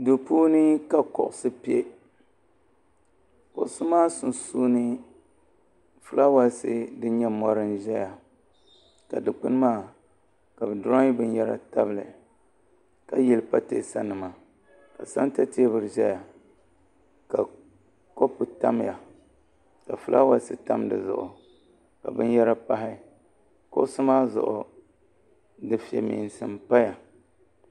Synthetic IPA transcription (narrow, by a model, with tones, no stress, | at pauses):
do˨puː˦nɨ˦ka˨kɔ̰˨ʔʊ˨sɨ˦pi˦e˦ | kʊ̰˨sʊ˦maː˦sʊ˨nsuː˦nɨ˦ | fɨ˦la˦wa˦sɨ˦dɨ˦ɲɛ˦mɔ˦ɾɨ˦nʒɛ˦ja˨ | ka˨dɨ˨k͡pɨ˦n˦maː˦˨ | ka˨bɨ˨dʊ˦ɾa˦ŋ˦bɨ˦njɛ˦ɾa̰˦ta˦bɨ˨lɨ̰˨ | ka˦jɛ˨lɨ˨pa˦tḛ˨sa˦nɨ˨ma˨ | ka˨sa˦n˦ta˦te˦bɨ˨ɾɨ˨ʒɛ˦ja˨ | ka˨ | ko˦pɨ˨ta˦m˦ja˨ | ka˨fu˦lʔa̰˦wa˦sɨ˦ta˦mdɨ̰˨zʊ̰˨ʔʊ̰˨ | ka̰˨bɨ˦n˦jɛ˦ɾa˦pa˦ɦɪ˦ | kʊ̰˦ʔsɨ˦maː˦zʊ̰˨ʔʊ˨ | dɨ˨fi˨ɛ̰˨mḭː˨n˨sɨ˨mpa˦ja˨